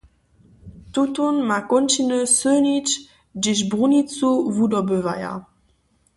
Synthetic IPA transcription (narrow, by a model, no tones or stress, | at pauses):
tutonmakɔntinøsønit͡ʃ | dɪʃ̬bʁunit͡suvudɔbøva̰ja̰